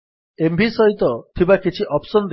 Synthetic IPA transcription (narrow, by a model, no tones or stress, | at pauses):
embʱisɔɦit̪ɔt̪ʰibakit͡ʃʰiʔɔpsɔnd̪